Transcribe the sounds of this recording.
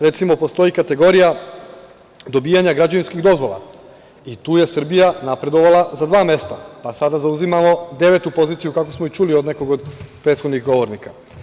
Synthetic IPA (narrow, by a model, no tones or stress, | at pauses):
ɾe̞t̪simo̞po̞st̪o̞ikat̪e̞ɡo̞ɾija | d̪o̞biːjaɲaɡɾad͡ʑaʋinskiɣd̪o̞zʋo̞la̰ | it̪uːje̞sr̩bijanapɾe̞d̪o̞ʋalazad̪ʋaːme̞st̪apasad̪azauzimamo̞d̪e̞ʋe̞t̪upo̞ziːt̪sijukako̞smoit͡ʃulio̞d̪ne̞ko̞ɡod̪pɾet̪xod̪niɣɡo̞ʋo̞ɾnika